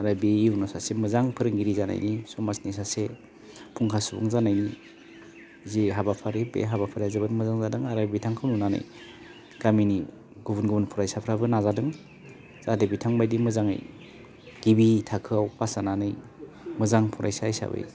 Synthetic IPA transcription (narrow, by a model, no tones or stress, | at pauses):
aɾabeunɔsasemɯzaŋpʰɯɾɯŋɡiɾizana̰jnisɔmasnisase | pʰuŋkʰasubṵŋzanajni | ziɦabapʰaɾibḛɦabapʰaɾazabɯnmɯzaŋzadɯŋaɾabitʰaŋkʰɯwnunanɯ̰j | ɡamini | ɡubunɡubunpʰuɾajsapʰɾabɯnazadɯŋ | z̥adebitʰaŋbajdimɯzaŋɯ̰j | ɡ̥ibitʰakʰɯawpasananɯj | mɯzaŋpʰuɾʔa̰jsajsa̰bɯ̰j